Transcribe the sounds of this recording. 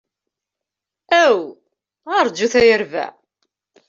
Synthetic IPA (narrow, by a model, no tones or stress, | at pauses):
æw | ʁɑɾˤd͡ʒuθæjəɾvæ̰